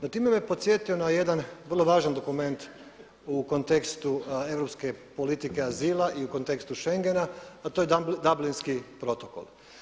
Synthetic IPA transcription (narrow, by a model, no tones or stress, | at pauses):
nat̪iːmemepo̞t̪sʲje̞t̪io̞naje̞d̪anʋər̩lo̞ʋaːʒand̪o̞kume̞nt̪ | uko̞nt̪e̞kst̪ue̞ʋɾo̞pske̞po̞lit̪ike̞aziːlˠaʔiuko̞nt̪e̞kst̪uʃe̞ŋɡe̞naːt̪oːjed̪ablinskipɾo̞t̪o̞ko̞̰lˠ